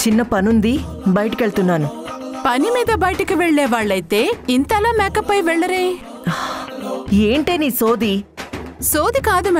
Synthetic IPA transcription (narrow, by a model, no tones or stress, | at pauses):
t͡ʃinːɐpɐnund̪i | bɐjɐʈɐkeɭt̪unːaːnupɐnimiːd̪ɐbɐjʈɐkiʋɛɭːɛːʋaːɭːɐjt̪e̞ːint̪ɐlaːmɛːkɐpːɐjʋɛɭːɐɾeː | eːɳʈe̞ːniːso̞ːd̪i | soːd̪ikaːd̪umɐ